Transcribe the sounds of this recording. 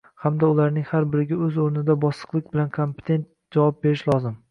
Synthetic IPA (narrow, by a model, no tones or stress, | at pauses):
hamd̪aʊlaɾnɪŋhaɾbɪɾɪɡʲaɵzoɾnɪd̪abɒsːɨ̥qlˠɪkʲbɪlankʰompʰe̥t̪ʰe̞nt̪̚ | d͡ʒavɒp̚be̞ɾɪʃlˠɒzɪm